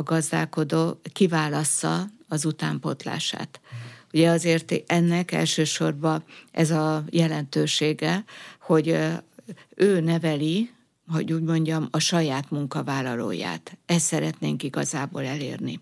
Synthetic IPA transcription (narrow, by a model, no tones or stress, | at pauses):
ɡɒzd̪a̰ːlko̞d̪oːkivaːlɒsɒ̰ɒzut̪aːmpo̞̰t̪la̰ːʃa̰ːt̪uɟɛɒzeːrt̪ɛnːɛkɛ̰lʃøːʃo̞rbɒʔɛzɒjɛlɛnt̪øːʃeːɡɛho̞ɟ | øːnɛvɛli | ɦo̞̰ɟuːɟmo̞ɲɟɒmɒʃɒjaːt̪muŋkɒvaːlːɒlo̰ːja̰ːt̪ɛst̪sɛɾɛt̪neːŋkiɡɒ̰zaːbo̰ːlɛleːrni